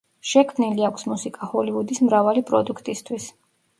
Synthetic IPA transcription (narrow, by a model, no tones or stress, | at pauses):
ʃɛkʰmniliakʷʰsmusikʼahɔlivud̪ismɾavalipʼɾɔ̰d̪ukʰt̪ʼist̪ʰwis